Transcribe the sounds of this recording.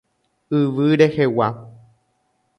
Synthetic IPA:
ɨʋɨɾehewa

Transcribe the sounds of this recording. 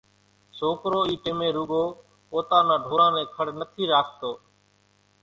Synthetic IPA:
soːkɾoːiːʈɪmẽːɾʊɡoː | poːt̪aːnãːɖʱoːɾãːnẽːkʰəɽnət̪ʰiːɾaːst̪oː

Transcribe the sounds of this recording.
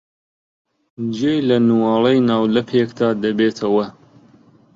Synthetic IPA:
d͡ʒeːjlɐnuwɑːlˠejnaːwlɐpʰeːkd̪aːd̪ɐbeːt̪ʰɐwɐ

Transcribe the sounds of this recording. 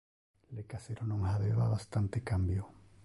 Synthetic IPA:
lekaseɾonoŋhaðeβaβast̪ant̪ekambjo

